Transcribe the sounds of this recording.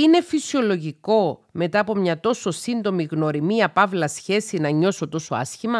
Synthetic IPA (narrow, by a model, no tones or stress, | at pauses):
ine̞fisio̞lo̞ʝiko̞me̞t̪ɐːpo̞mɲɐt̪o̞so̞sind̪o̞miɣno̞ɾimiɐpɐvlɐsçe̞sinɐɲo̞so̞t̪o̞so̞ɐ̰sçimɐ